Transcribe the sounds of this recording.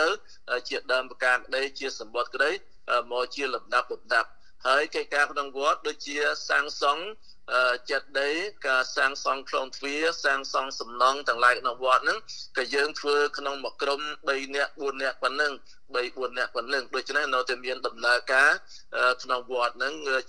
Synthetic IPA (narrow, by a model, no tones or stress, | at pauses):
ɨw | ʔət͡ɕiəɗaəmpkaːkə̆ɗəjt͡ɕiəsɑmɓot̪̚kə̆ɗəj | ʔəːmɔːt͡ɕiəlɑmɗap̚lɑmɗap̚ | haəjkəc̚kaːkʰnoŋʋŏət̪̚ɗoːc̚t͡ɕiəsaːŋsɑŋ | ʔəːt͡ɕɛt̪̚ɗəjkaːsaːŋsɑŋpʰlɔːŋt̪ʰʋiəsaːŋsɑŋsɑmnɑŋt̪ɛ̆əŋlaɛjkʰnoŋʋŏət̪̚nɨŋkɑːjəːŋt̪ʰʋəːkʰnoŋmɔʔkromɓəjnɛ̆əʔɓuənːɛ̆əʔpənːɨŋ | ɓəjɓuənːɛ̆əʔpənːɨŋɗoːc̚t͡ɕʰnehnoːt̪amiənɗɑmnaəkaː | ʔəːkʰnoŋʋŏət̪̚nɨŋː